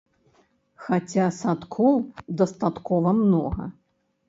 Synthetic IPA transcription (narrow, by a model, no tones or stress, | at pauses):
xat͡sʲasat̪kʰɔwd̪ɐst̪at̪kɔvɐmnɔ̰ɣɐ̰